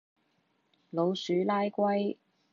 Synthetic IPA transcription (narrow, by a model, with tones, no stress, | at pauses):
lo˨˧wsyː˨˥laː˥jkʷɐ˥j